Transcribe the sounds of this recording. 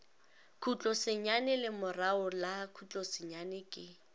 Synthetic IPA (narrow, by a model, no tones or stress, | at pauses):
kʰut͡ɬʼɔsɪɲanɪlɪmʊraʊlakʰut͡ɬʼɔsɪɲanɪkʼɪ